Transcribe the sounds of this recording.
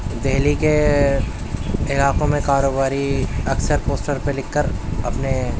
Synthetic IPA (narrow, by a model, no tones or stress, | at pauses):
d̪ɛɦlike | ɪlaːqõmẽkaːɾoːbaːɾiɐksəɾpoːsʈəɾpelɪkːəɾɐpne